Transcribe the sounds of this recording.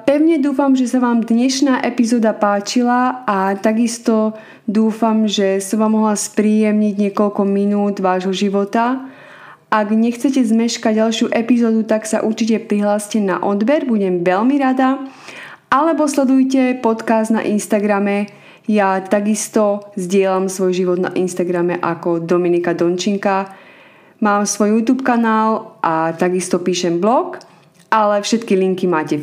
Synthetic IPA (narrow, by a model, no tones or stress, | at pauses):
pɛʊɲɛd̪uːfamʒɛsaʋaːmd̪ɲɛʃnaːʔɛpizɔːd̪apaːt͡ʃilaat̪aɡist̪ɔ | d̪uːfamʒɛsɔmʋamːɔɦlaspɾiːjɛmɲiɟɲɪɛkɔʎkɔminuːd̪ʋaːʒɦɔʒiʋɔt̪a | ʔaɡɲɛxt͡sɛcɛzmɛʃkaɟːalʃɪuʔɛpizɔːd̪ut̪aksa̰ʔuɾt͡ʃicɛpɾiɦlaːscɛna̰ʔɔd̪bɛɾbuɟɛmʋɛlmiɾad̪a | ʔalɛbɔslɛd̪ujcɛpɔt̪kazd̪na̰ʔinst̪aɡɾamɛ | jat̪aɡist̪ɔzɟɪɛlamsʋɔjʒiʋɔd̪na̰ʔinst̪aɡɾamɛʔakɔd̪ɔminikad̪ɔnt͡ʃiŋka | maːmsʋɔjjuːt̪uːpkanaːlʔat̪aɡist̪ɔpiːʃɛmblɔk | ʔalɛfʃɛt̪kiliŋkimaːcɛ